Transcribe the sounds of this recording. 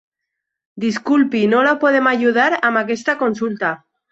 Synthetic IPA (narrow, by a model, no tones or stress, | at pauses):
d̪iskulpinolapoð̞emaʝuð̞aɾamakest̪akonsult̪a